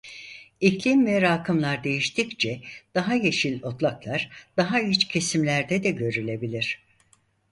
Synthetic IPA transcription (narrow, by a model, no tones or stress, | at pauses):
iclʲimvɛɾaːkʰɯmlˠaɾd̪e̞jiʃt̪ʰict͡ʃʰɛd̪̥aɦaje̞ʃilʲo̞t̪lˠaklˠaɾd̪̥aɦayt͡ʃcʰe̞simlʲæɾd̪ɛd̪ɛɟø̞ɾylʲe̞bilʲiɾ̥